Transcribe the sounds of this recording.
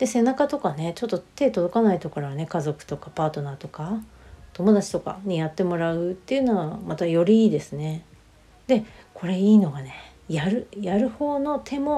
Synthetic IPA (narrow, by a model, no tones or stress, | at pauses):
d̪̥e̞se̞nakat̪o̞kane̞t͡ɕo̞t̪ːo̞t̪e̞ːt̪o̞d̪o̞kanait̪o̞kaɾaβane̞kazo̞kɯ̟̥t̪o̞kapaːt̪o̞naːt̪o̞ka | t̪o̞mo̞d̪at͡ɕi̥t̪o̞ka̰ɲ̟ijat̪ːe̞mo̞ɾaɯ̟t̪ːe̞iɯ̟no̞βamat̪ajo̞ɾʲiiːd̪e̞sɨne̞ | d̪̥e̞kʰo̞ɾe̞iːno̞ɡane̞ | jaɾɯ̟jaɾɯ̟ho̞ːno̞t̪ʰe̞mo̞